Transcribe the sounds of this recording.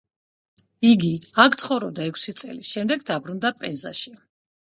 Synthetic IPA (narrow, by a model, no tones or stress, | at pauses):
iɡiakʰt̪χɔvɾɔbd̪aɛkʰsit̪sʼɛ̰lisʃɛmd̪ɛɡd̪abɾund̪apʼɛnza̰ʃi